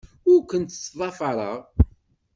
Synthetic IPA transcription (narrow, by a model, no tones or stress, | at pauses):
ʊɾkʷənt̪t͡sːðˤɑfɑɾˤəʁ